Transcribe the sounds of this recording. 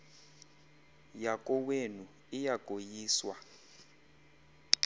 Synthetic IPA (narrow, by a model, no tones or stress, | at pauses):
jakʼɔwenu | ijaɡ̥ʱojiːswa